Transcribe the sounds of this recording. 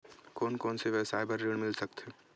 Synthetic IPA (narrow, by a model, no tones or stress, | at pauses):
koːnkoːnseʋɛsaːɪbəɾːeːɽmɪlsək̚t̪ɦe